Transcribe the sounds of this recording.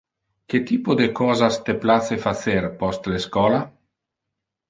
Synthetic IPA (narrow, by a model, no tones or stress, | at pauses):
ket̪iːpod̪ekɔːzast̪eplat͡sefaseɾpɔst̪leskɔːla